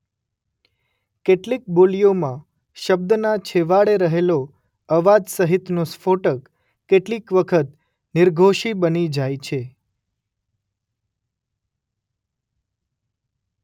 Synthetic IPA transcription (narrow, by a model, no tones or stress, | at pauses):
keʈlik̚bolijomã | ʃəb̚d̪nat͡ʃʰeʋaɭeɾəɦelo | əʋad͡ʒsəɦit̪nosfoʈəkː | eʈlikʋəkʰət̪ | nɪɾɡʱoʃibənid͡ʒajt͡ʃʰe